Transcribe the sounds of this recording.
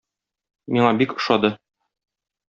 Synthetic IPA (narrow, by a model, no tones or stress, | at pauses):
miɴɑbikɤ̥̆ʃɑd̪ɤ